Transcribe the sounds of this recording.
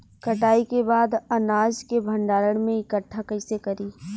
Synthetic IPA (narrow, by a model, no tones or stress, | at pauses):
kɐʈaːikebaːd̪ɐnaːd͡ʒkebʱɐ̃ɳɖaːɾəɽ̃mẽɪkəʈʰːakɐɪsekɐɾiː